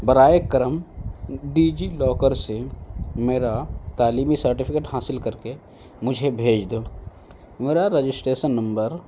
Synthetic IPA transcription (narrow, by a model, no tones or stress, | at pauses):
bɐɾaːekəɾəm | ɖiːd͡ʒilɔːkəɾsemeːɾat̪aːliːmisɐɾʈɪpʰɪkeːʈɦaːsɪlkɐɾke | mʊd͡ʒʱebʱeːd͡ʒd̪oː | meːɾaɾed͡ʒɪsʈɾeːʃənːɐ̃mbəɾ